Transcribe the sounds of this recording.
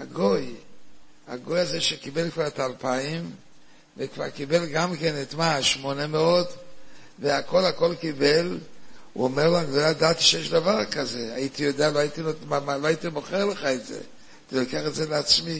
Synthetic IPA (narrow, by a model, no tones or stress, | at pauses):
aɡoj | a̰ɡojazeʃekɪbɛlkvaʁtalˠpʰaɪm | vekva̰ʁkibɛlɡamkɛnɛtmaʃmonəmɛɔd | veakʰɔlakɔlˠkibɛlṵɔmɛʁlˠoaɡdoladati̥ʃɛʃdavaʁkazeajiːtijodealoajitiloamaloajitiboχɛʁlˠəχaɛtzḛ | tilɔkeaχɛtzelɪat͡smi